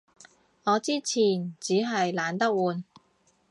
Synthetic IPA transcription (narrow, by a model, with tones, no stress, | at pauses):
ŋɔː˨˧t͡siː˥t͡sʰiː˨˩nt͡siː˨˥ɦɐ˨jlaː˨˧nt̪ɐ˥k̚wuː˨˧n